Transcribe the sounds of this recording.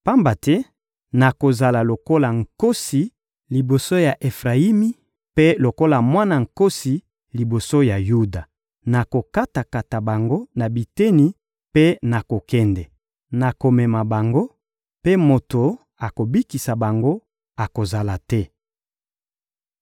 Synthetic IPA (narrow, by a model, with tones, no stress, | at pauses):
pa˦mba˨tɛ˦ | na˨ko˨za˨la˨lo˨ko˦la˨ŋ̩˨ko˦si˨ | li˨bo˨so˦ja˨ʔe˨fʁa˨i˦mi˦ | pe˦lo˨ko˦la˨mwa˦na˨ŋ̩˨ko˦si˨ | li˨bo˨so˦ja˨ju˦da˨ | na˨ko˨ka˦ta˨ka˨ta˨ba˨ŋɡo˦na˨bi˨tɛ˦ni˨ | pe˦na˨ko˨kɛ˦ndɛ˨ | na˨ko˨mɛ˨ma˨ba˨ŋɡo˦ | pe˦mo˨to˨ | a˨ko˨bi˦ki˨sa˨ba˨ŋɡo˦ | a˨ko˨za˨la˨tɛ˦